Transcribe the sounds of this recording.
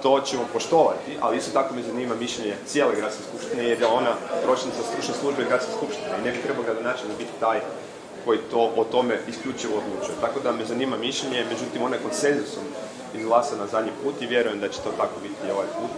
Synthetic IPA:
t̪o̞t͡ɕemo̞po̞ʃt̪o̞ʋa̰t̪iʔa̰liist̪o̞t̪ako̞mezaniːmamiʃʎeɲe̞t̪sjeːle̞ɡɾat̪skeskupʃt̪inejeɾd̪ao̞nap̪ɾo̞t͡ʃenit̪asɾuʃneslˠuʒbeɡɾat̪skeskupʃt̪ineinebit̪ɾe̞baoɡɾad̪onaːt͡ʃelʲnibit̪i̥t̪aːj | ko̞jit̪o̞ʔot̪o̞meiskʎut͡ʃiʋood̪lˠut͡ʃujet̪ako̞d̪amezanimamiʃʎeɲeme̞d͡ʒut̪imo̞najeko̞nt̪se̞nzuso̞m | izɡlˠasanazad̪ɲipuːt̪iʋje̞ɾuje̞md̪at͡ɕe̥t̪o̞t̪akobit̪io̞ʋajput̪

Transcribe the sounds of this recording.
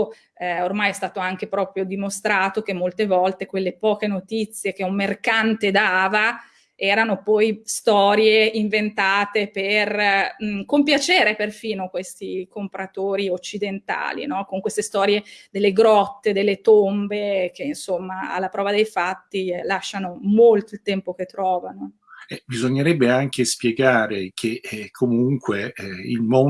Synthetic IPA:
ɛormajɛst̪aːt̪oaŋk̟epɾɔːpɾjod̪imost̪ɾaːt̪ok̟emːolt̪evɔlt̪ekwelːepɔːkenot̪it̪sːjek̟eumːerkant̪ed̪aːva | ɛːɾanopɔjst̪ɔːɾjeiɱvent̪aːt̪eper | kompjat͡ʃeːɾeperfiːnokwest̪ikompɾat̪oːɾiot͡ʃːid̪ent̪a̰ːlḭnɔkoŋkwest̪est̪ɔːɾjed̪elːeɡɾɔt̪ːed̪elːet̪ombek̟einsomːaa̰lːapɾɔːvad̪ejfat̪ːilaʃːanomolt̪oilt̪ɛmpok̟et̪ːɾɔːvano | ɛbizoɲːeɾɛbːeaŋkespjeɡaːɾekʰekʰːomuŋkweḭlmo

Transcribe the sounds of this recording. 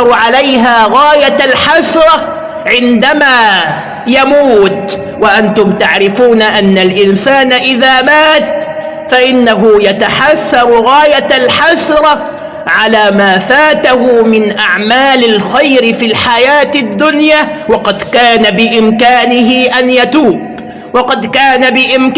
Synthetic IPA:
ɾˤʕalajɦaːɣaːjalħasɾˤɑ | ʕɪnd̪amaː | jamuːt̪ | waʔant̪ʊmt̪aʕɾɪfuːnaʔanːalʔɪnsaːnaʔɪðaːmaːt̪̚ | faʔɪnːaɦʊjat̪aħasːɑɾˤɣaːjalħasɾˤ | ʕalaːmaːfaːt̪ahʊmɪnʔaʕmaːlɪlxajɾɪfiːlħajaːt̪ɪd̪ːʊnjaːwɑqɑd̪kaːnabɪʔɪmkaːnɪɦɪʔanjat̪uːb̚ | wɑqɑd̪kaːnabɪʔɪmk

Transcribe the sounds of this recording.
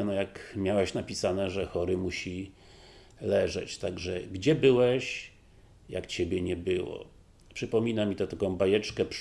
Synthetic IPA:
ɛnɔjakmʲjawɛɕnapʲisanɛʐɛxɔɾɘmuɕi | lɛʐɛ̰t͡ɕt̪aɡʐɛɡd͡ʑɛbɘwɛɕ | ja̰kt͡ɕebʲjɛɲɛbɘwɔ̰ | pʂɘpɔmʲinamʲit̪ɛt̪akɔ̃w̃bajɛt͡ʂkɛp

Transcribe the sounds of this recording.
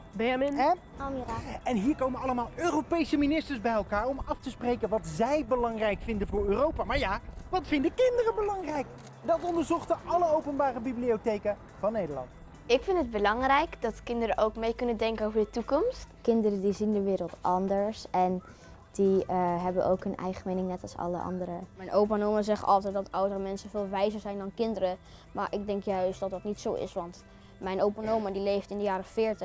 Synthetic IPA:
bemn | ɛnɦiːɹkowmənɑləmaːlˠøːrowpejsəminɪstəɹsbɛjɛlˠkaːɹɔmɑftəsprejkənʋɑtzɛjbəlɑŋrɛjkfɪndənvʊːɹøːrowpamaːɹjaːʋɑtfɪndəkɪndərəbəlɑŋrɛjk | dɑtɔndəɹzɔχtəʔɑləowpənbaːrəbibliotejkə | v̥ɑnːejdəɹlɑ̰nt | ɪkfɪntəd̚bəlɑŋrɛjkdɔtkɪndəɾəʔowkmejkɵnədɛŋkənowvəɹdətukɔmstkɪndəɾədizindəʋɪːɾəlˠtʔɑndəɹsɛn | d̥iəɦɛbənʔo̰wkɦɵnɛ̰jχəmejnɪŋnɛtɑlˠsɑ̰lə̰ʔɑ̰ndəɾəmɛjnʔowpanowməzɛχɑ̰lˠtɛt̚dɑtʌwdərəmɛnsəvɪːlˠʋɛjzəɹzɛjndɑnkɪndəɾə | maːɹʔɪɡ̚dɛŋkjœɥsdɑt̚dɑtnitsowʔɪ̰sʋɑnt | mɛjnʔowpanowmədilejftɪndəjaːɾəfɪːɹtə

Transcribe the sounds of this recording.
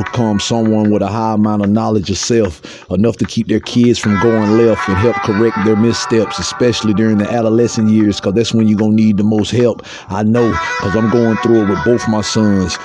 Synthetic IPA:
əkʰʌ̃msʌ̃mwʌ̃nwəðəɦaɪəmãʊ̃nəvnɑlˠɨd͡ʒə̥sɛlˠf | ənʌftɨkʰip̚ðə˞kʰɪdz̥fɹʌ̃mɡoʊɪ̃ŋlɛftɨ̃nɦɛlˠp̚kʰə˞ɛk̚t̪̚ðə˞mɪstɛpsɨspɛʃl̩ˠidʊɹɪ̃ŋðiʔæɾəlɛsɨ̃njɪɹz̥kʰʌzðætswə̃njɨɡõʊ̃nid̪̚ðəmoʊst̚hɛlˠp | aɪnoʊkʰʌzãɪ̃mɡoʊɪ̃ŋθɹuət̚wɨðboʊθmaɪsʌ̃nz̥

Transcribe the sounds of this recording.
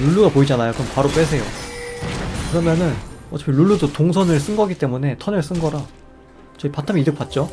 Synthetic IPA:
luɭːuɡapoid͡ʑanajokɯɯmpaɾop͈wes̬ʰe̞jo | kɯɾʌmjʌnɯnʌt͡ɕ͈ʌpʰiluɭːudotoŋsʰʌnɯɭs͈ɯnɡʌɡit͈e̞mune̞tʰʌnɯɭs͈ɯnɡʌɾa | t͡ɕʌipatʰamiiɾɯk̚p͈at̚t͡ɕ͈o

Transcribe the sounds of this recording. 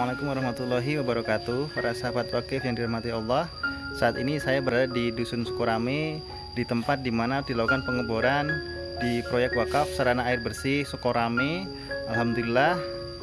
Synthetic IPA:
malakʊmwaɾɑhmat̪ulaɦiwabaɾɔkat̪uaɾasaɦafat̪wakɪfjaŋdiɾəhmat̪iɑlˠːɑh | saːt̪inisajabəɾadadidusʊnsə̥koɾame | dit̪əmpat̪̚dimanadilaukanpəŋəboɾan | dipɾojɛk̚t̪wakafsəɾanaːɪrbərsɪhsəkoɾʔame | ʔalɦamd̪ulilah

